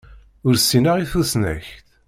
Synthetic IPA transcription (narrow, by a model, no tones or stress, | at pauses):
ʊɾsːinəʁiθusnæ̰çt̪